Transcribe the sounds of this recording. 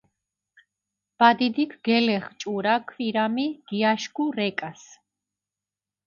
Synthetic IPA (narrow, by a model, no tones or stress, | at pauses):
b̥ad̪id̪ikʰɡɛlɛχt͡ʃʼuɾakʰwiɾamiɡ̥iaʃɡuɾɛkʼas